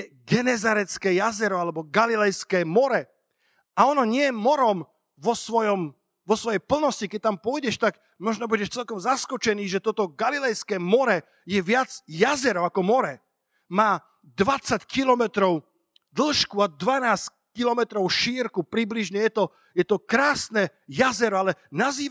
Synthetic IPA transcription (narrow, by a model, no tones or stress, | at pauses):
jɛɡɛnɛzaɾɛt͡skɛːjazɛɾɔalɛbɔɡalilɛjskɛːmɔɾɛ | aɔnɔɲɪɛjɛmɔɾɔm | ʋɔsʋɔjɔm | ʋɔsʋɔjɛjpl̩nɔscikɛc̚t̪ampʊɔjɟɛʃt̪aɡ | mɔʒnɔbuɟɛʃt͡sɛlkɔmzaskɔt͡ʃɛniːʒɛt̪ɔt̪ɔɡalilɛjskɛːmɔɾɛ | jɛʋɪad͡zjazɛɾɔakɔmɔɾɛ | maː | d̪ʋat͡sackilɔmɛt̪ɾɔʊ | d̪l̩ʃkuad̪ʋanaːs | kilɔmɛt̪ɾɔʊʃiːɾkupɾibliʒɲɛjɛt̪ɔ | jɛt̪ɔkɾaːsnɛjazɛɾɔalɛnaziː